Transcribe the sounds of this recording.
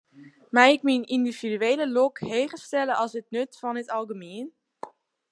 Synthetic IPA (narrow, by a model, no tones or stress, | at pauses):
mɛjɪkminindiv̥idyeːləlokheːχəstɛləʔɑlˠsətnøtfɔnətɑlˠɡəmeən